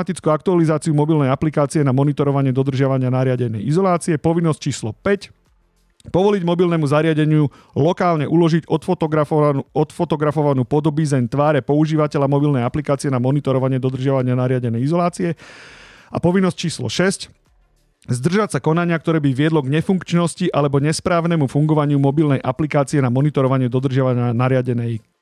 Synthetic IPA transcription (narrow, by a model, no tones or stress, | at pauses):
at̪it͡skuak̚t̪ualizaːt͡siumɔbilnɛjaplikaːt͡siɛnamɔnit̪ɔɾɔʋaɲɪɛd̪ɔd̪r̩ʒɪaʋaɲɪanaɾɪaɟɛnɛ̰jizɔlaːt͡siɛpɔʋinːɔsc̚t͡ʃiːslɔpɛc | pɔʋɔliɟmɔbilnɛmuzaɾɪaɟɛɲɪu | lɔkaːlɲɛʔulɔʒiɟɔf | ɔt̪fɔt̪ɔɡɾafɔʋanuːpɔd̪ɔbizɛnt̪ʋaːɾɛpɔuʒiːʋacɛlʎamɔbilnɛjaplikaːt͡siɪɛnamɔnit̪ɔɾɔʋaɲɪɛd̪ɔd̪r̩ʒɪaʋaɲɪanaɾɪaɟɛnɛjizɔlaːt͡siɛ | ʔa̰pɔʋinːɔsc̚t͡ʃiːslɔ̰ʃɛsc | zd̪r̩ʒacsakɔnaɲɪak̚t̪ɔɾɛːbiʋɪɛd̪lɔɡɲɛfuŋkt͡ʃnɔsciʔalɛbɔɲɛspɾaːʋnɛmufuŋɡɔʋaɲɪumɔbilnɛjʔaplikaːt͡siɛnamɔnit̪ɔɾɔʋaɲɪɛd̪ɔd̪r̩ʒɪaʋaɲɪanaɾɪaɟɛnɛj